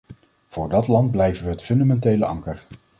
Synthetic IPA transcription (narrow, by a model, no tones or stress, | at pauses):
v̥ʊːɹdɑtlɑnd̚blɛjvənʋəɦətfɵndamɛntejləʔɑŋkəɹ